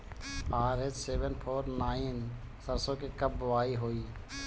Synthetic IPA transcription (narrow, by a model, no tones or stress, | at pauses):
aːɾetseːʋənpʰoːɾnaːin | səɾsõkekəbʋaːiɦoːiː